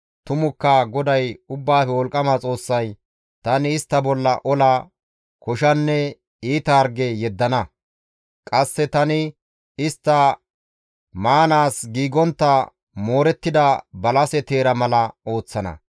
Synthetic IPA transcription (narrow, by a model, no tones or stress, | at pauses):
t̪ʊmʊkːɐɡɔd̪ɐjʊbːaːfɛwɔlkʼɐmaːt͡sʼo̞ːsːɐj | t̪ɐnɪːst̪ːɐbɔlːɐʔɔla | kɔʃɐnːɛ | iːt̪ɐːɾɡɛjɛd̪ːɐnɐ | kʼɐsːɛt̪ɐnɪ | ɪst̪ːɐ | maːnaːsɡiːɡɔnt̪ːɐ | moːɾɛt̪ːɪd̪ɐbɐlɐsɛt̪eːɾɐmɐlɐo̞ːt͡sːɐnɐ̰